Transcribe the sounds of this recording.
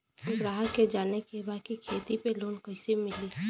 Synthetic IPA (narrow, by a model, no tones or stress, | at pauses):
ʊbɾaːɦəked͡ʒaːnekebaːkikʰeːt̪ipeloːnkɐɪsemɪliː